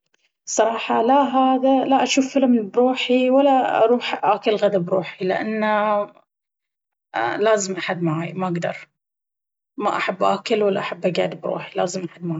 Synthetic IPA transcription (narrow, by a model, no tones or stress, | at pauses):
sˤɑɾˤɑːħɑlaɦaːd̪alaʔaʃuːfːɪlɪmbɾuːħiwalːaɑ̰ɾˤuːħʔaːkɪlɣad̪abɾuːħilɪʔa̰nːa | laːzɪmʔaħad̪maʕajmaʔaɡd̪ɑ̰ɾˤ | maʔaħabːʔaːkɪlwalːaʔaħabːʔaɡa̰ːd̪ɪbɾṵːħilaːzɪmʔaħad̪maʕa